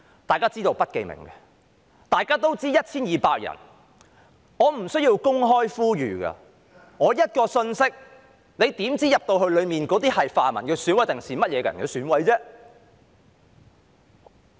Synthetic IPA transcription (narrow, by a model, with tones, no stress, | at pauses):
t̪aː˨jkaː˥t͡siː˥t̪o˧wpɐ˥t̚ke˧jmɪ̰˨˩ŋkɛ˧ | t̪aː˨jkaː˥t̪o˥wt͡siː˥jɐ˥t̚t͡sʰiː˥njiː˨paː˧k̚jɐ̰˨˩n | ŋɔː˨˧m̩˨˩sɵ˥ɥjiː˧wkʊ˥ŋɦɔː˥jfuː˥ɥyː˨˩kɐ̰˧ | ŋɔː˨˧jɐ˥t̚kɔː˧sɵ˧nsɪ˥k̚ | ne˨˧jt̪iː˨˥mt͡siː˥jɐ˨p̚t̪o˧wɦɵ˧ɥlɵ˨˧ɥmiː˨nkɔː˨˥t̪iː˥hɐ˨jfaː˨mɐ˨˩nkɛː˧sy˨˥nwɐ˨˥jt̪ɪ˨ŋsiː˨˩mɐ˥t̚jɛː˨˧kːɐ˨nŋkɛ˧syː˨˥nwɐ˨˥jt͡sɛː˥